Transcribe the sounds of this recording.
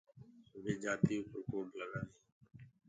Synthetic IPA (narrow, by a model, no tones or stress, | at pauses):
ʋeːd͡ʒaːt̪iːpəɾkoːmlənaːneː